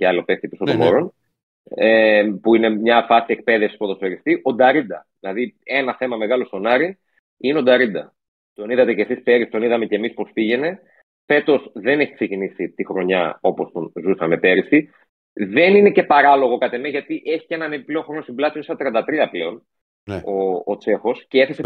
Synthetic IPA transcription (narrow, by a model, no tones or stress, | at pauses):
ceɐlop̪ext̪ipisot̪omoɾo̞n | epuine̞mɲɐfɐsiek̚pe̞ðefsi̥spuoðoseɾist̪iʔo̞d̪ɐɾind̪ɐðilɐðie̞nɐθe̞mɐme̞ɣɐlo̞st̪o̞nɐɾi | ineo̞d̪ɐɾind̪ɐ | t̪o̞niðɐt̪ecesispe̞ɾist̪o̞niðɐme̞cemispo̞spiʝe̞ne̞ | fe̞t̪o̞sðe̞ne̞çi̥ksecinisit̪ixɾo̞ɲɐo̞po̞st̪o̞nzusɐme̞pe̞ɾisi | ðe̞nine̞ce̞pɐɾɐlo̞ɣo̞kɐt̪emeʝɐt̪iʔe̞çi̥cenɐnepipleoxɾo̞nost̪imblɐsionsɐt̪ɾiɐnd̪ɐt̪ɾiɐpleo̞n | oːt͡se̞xo̞sceeθese